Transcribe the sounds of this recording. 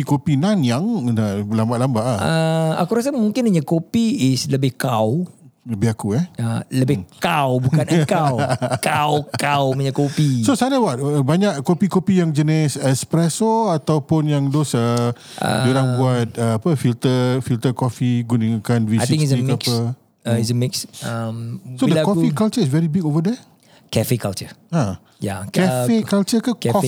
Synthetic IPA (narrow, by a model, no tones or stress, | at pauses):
ikopinanjaŋnaʔlambaʔlambaʔaəa̰kuɾasəmuŋkɪnəɲakopiisləbɪhkawləbɪhakuɛələbɪkawbukankawkawkawməɲəkopisosalawaʔ̪̚baɲaʔkopikopijaŋd͡ʒənisɛspɾɛsoat̪awpʊnjaŋdosə̰ | d͡ʒuɾaŋbuat̪̚əapəfilt̪əfilt̪əkɔfiɡuniŋukanviasiĩŋisiakə | is̬əmɪksamsodəkɔfikalt͡ʃəis̬vɛɾibikovədɛ | kɛfekalt͡ʃəa | ja̰kɛfekalt͡ʃəkakkɔ